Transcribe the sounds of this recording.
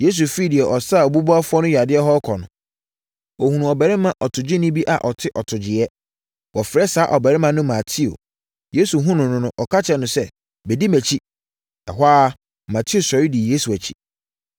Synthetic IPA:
je˦s̬u˨fi˦˨dɪ˨ɛ˨ʔɔ˨saː˦˨o˨bu˦bu˦a˦fɔ˦nʊ̃˦ja˨dɪ˦ɛ˦ɦɔ˦kʰɔ˨nʊ̃˨ | o˨hũ˨nũ˨ɔ˨bæ˨ɾɪ˦mã˨ʔɔ˨tʰʊ˨d͡ʑɪ˦nɪ̃˦bi˦ʔa̰˨ʔɔ˨tʰɪ˦ʔɔ˨tʰʊ˨d͡ʑɪ˨ɛ˦ | wʔɔ˨fɪ˨ɾɛ˦saː˨˦ʔɔ˨bɛ˨ɾɪ̃˦mã˨nʊ̃˦mã˨tʰi˦o̰˨ | je˦su˨ɦũ˦nʊ̃˨nʊ̃˦nʊ̃˦ʔɔ˨kʰa˦t͡ɕʰɛ˨nʊ̃˨sɛ˦ | bɛ˨di˦mæ˨t͡ɕʰi˦ | ɛ˨ɦʷaː˦ | mã˨tʰi˦o˨sɔ˨ɾi˦di˨je˦su˨æ˨t͡ɕʰi˦

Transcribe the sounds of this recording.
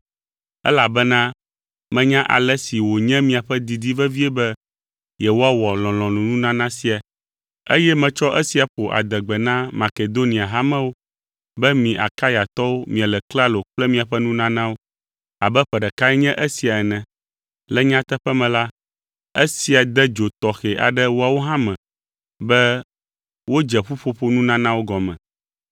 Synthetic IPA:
ɛ̰˦la˨bɛ˦nã˦ | mɛ̃˨ɲã˦ʔa̰˨lɛ˦si˨wo˨ɲɛ̃˦mĩ˨a˨ɸɛ˦d̪i˨d̪i˦vɛ˦vi˦ɛ˦bɛ˦ | je˨wo˦a˦wɔ˨lɔ̃˨lɔ̃˨lũ˨nũ˦nã˦nã˦si˦a˨ | e˦jɛ˦mɛ̃˨t͡ʃɔ˦ʔɛ˦si˨a˨ɸo˨ʔa̰˨d̪ɛ˨ɡ͡bɛ˨nã˦ma˨ke˨d̪o˦nĩ˨a˨ɦa˦mɛ̃˦wo˦ | bɛ˦mĩ˨ʔa̰˨ka˦ja˨t̪ɔ˦wo˦mĩ˨a˨lɛ˨kla˦lo˨k͡plɛ˦mĩ˦a˨ɸɛ˦nũ˦nã˦nã˦wo˦ | a˨bɛ˦ɸɛ˨ɖɛ˨ka˦ɛ˦ɲɛ̃˦ʔe˦si˨a˨ɛ˨nɛ̃˨ | lɛ˦ɲã˦t̪ɛ˦ɸɛ˦mɛ̃˨la˦ | e˦si˨a˨d̪ɛ˦d͡ʒo˨t̪ɔ˨xɛ˨ʔa̰˨ɖɛ˦wo˦a˨wo˦ɦã˦mɛ̃˨ | bɛ˦ | wo˦d͡ʒɛ˨ɸu˦ɸo˦ɸo˦nũ˦nã˦nã˦wo˦ɡɔ˨mɛ̰̃˨

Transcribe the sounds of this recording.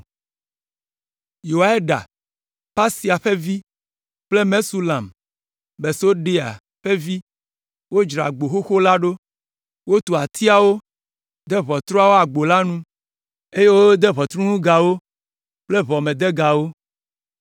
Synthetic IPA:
jo˨wa˨e˦ɖa̰˨ | pa˦si˨a˨ɸe˦vi˦ | k͡ple˦mẽ˦su˦lã˨m | be˨so˦ɖe˦a̰˨ | ɸe˦vi˦ | wo˦d͡ʒɾa̰˨ɡ͡bo˨xo˦xo˦la˦ɖo˦ | wo˦t̪u˨a˨t̪i˦a˨wo˦ | d̪ɛ˦βɔ˨t̪ɾɔ˦a˦wo˦a˨ɡ͡bo˨la˦nũ˦ | e˦je˦wo˦d̪ɛ˦βɔ˨t̪ɾũ˦nũ˦ɡa˨wo˦ | k͡ple˦βɔ˨mẽ˨d̪e˦ɡa˨wo˦

